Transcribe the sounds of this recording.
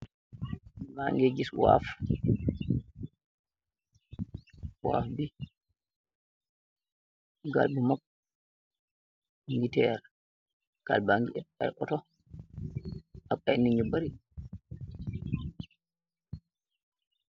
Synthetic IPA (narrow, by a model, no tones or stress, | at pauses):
baŋɡeɡiswa̰f | wa̰fbi | ɡa̰lbumak | ŋɡitɛɾa | ka̰lbaŋɡiʔɛɓa̰jʔɔ̰tɔ | aɓajniɲubaɾi